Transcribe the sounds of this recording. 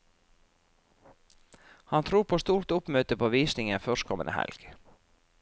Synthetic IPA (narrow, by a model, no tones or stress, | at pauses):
hɑnt̪ʰɾuːpʰoːst̪uːɾt̪ʊpmøːt̪əpʰoːʋiːsnɪŋənfœʃkʰɔmə̰nʔə̰hæ̰lɡ̥